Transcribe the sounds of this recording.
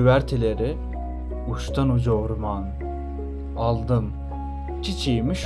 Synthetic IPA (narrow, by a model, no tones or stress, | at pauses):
væɾt̪ʰelʲeɾi | uʃt̪ʰanud͡ʒoɾman | alˠd̪ɯm | cʰit͡ʃʰijmiʃ